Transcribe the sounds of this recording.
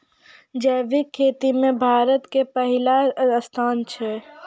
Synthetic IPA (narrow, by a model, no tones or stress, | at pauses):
d͡ʒɛːʋikʰːeːt̪imẽbʱaːɾət̪kepəɦɪlaəst̪ʰaːnt͡ʃʰɛ